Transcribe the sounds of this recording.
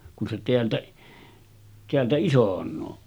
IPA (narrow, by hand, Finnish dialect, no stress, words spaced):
kun se teæltæ teæltæ isonˑoː